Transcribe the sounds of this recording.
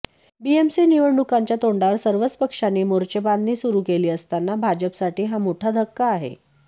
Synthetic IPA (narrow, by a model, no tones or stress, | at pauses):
biemsiniʋəɽɖukaɲt͡ɕjat̪oɳɖaʋəɾsəɾʋət͡spəkʂanːiːmoɾt͡ɕebanːiːsuɾuːkeliːəst̪anːabʱad͡ʑəpsaʈiːɦamoʈʰad̪ʱəkːaːɦḛ